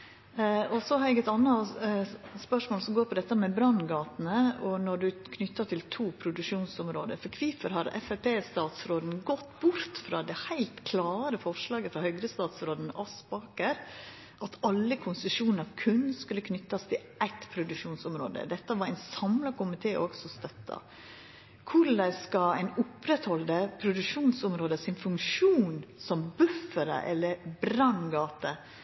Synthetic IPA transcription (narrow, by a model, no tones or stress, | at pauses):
ɔsɔhɑɾɛɡɛɪt̪ɑnːɑ | spœʂmoːlsɔmɡoːɾpʰɔd̪ɛt̪ːəmɛbɾɑnɡɑːt̪nəɔnɔɖʉkʰnʏt̪ːɑt̪ʰɪlt̪ʰuːpʰɾʊd̪ʉʂuːnsʊmɾo̰ːd̪ə̰ɾfɔɾkʰʋifəɾhɑɾɛ̰fæpʰeːst̪ɑːt̪sɾoːd̪n̩ɡɔt̪ːbʊɾt̪fɾɑ̰ːd̪ɛhæɪlt̪kʰlɑːɾəfɔʂlɑːɡəfɾɑhœɡɾəst̪ɑːt̪sɾoːd̪n̩ɑspɑːkəɾ | ʔɑt̪ʰɑlːəkʰʊnsʉʃuːnnɾɑʋkʰʉnːskʉlːəkʰnʏt̪ːɑst̪ʰɪlʔæɪt̪pʰɾʊd̪ʉʂuːnsʊmɾo̰ːd̪ə̰d̪ɛt̪ːəʋɑɾæɪnsɑmlɑkʊmɪt̪ʰeːʔoːɡsɔst̪œt̪ːɑ̰ | kʰʊd̪æskɑæɪnʊpɾɛt̪hɔld̪əpʰɾʊd̪ʉkʂuːnsʊmɾoːd̪əsɪnfʉŋkʂuːnsɔmbʉfːəɾə̰ʔɛ̰lːəɾbɾɑnɡɑːt̪ə